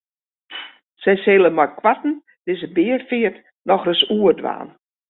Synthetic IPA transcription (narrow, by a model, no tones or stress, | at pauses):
sɛjseːlˠəmɔjkʰwatn̩ | d̥ɪsəbɪːərfɪərt | nɔxrəsuːədʋa̰ːn